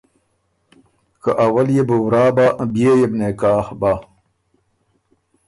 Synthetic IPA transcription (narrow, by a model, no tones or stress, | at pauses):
kəʔawɐljebəwɾaːbaʔbjejebnekaːhba